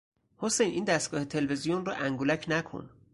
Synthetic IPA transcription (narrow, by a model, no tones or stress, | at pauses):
hosejnʔiːnd̪æst̪̚ɡ̥ɒːhet̪ʰe̞lve̞zijonrɒ̰ʔæŋɡulæcʰnækʰo̰n